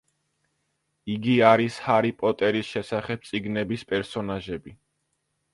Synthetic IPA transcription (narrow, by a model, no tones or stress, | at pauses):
iɡiaɾishaɾipʼɔt̪ʼɛɾisʃɛsaχɛb̚t̪sʼiɡnɛbispʼɛɾsɔnaʒɛbi